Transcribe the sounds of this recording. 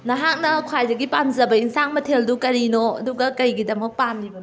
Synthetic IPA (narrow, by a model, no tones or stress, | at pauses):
nɐɦak̚nɐkʰwajdɐɡipamzɐbɐiŋsaŋmɐtʰeldukɐɾinoɐ̰duɡɐkɐjɡidɐmɐk̚pamnibɐn